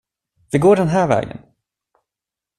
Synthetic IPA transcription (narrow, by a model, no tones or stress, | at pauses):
vɪɡoːɖɛnɦæːɾvɛ̰ːɡə̰n